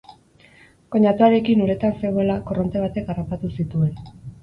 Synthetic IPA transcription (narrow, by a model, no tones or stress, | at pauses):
ko̞ɲat̪uaɾe̞kinuɾe̞t̪anse̞ɣoelako̞ro̞nt̪e̞β̞at̪e̞karapat̪usit̪ue̞n